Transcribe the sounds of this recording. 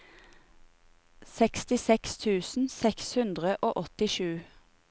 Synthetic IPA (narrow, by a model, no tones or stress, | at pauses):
sɛkst̪ɪsɛkst̪ʰʉːsn̩sɛkshʉnd̪ʁəʔoːʔɔt̪ɪʃʉː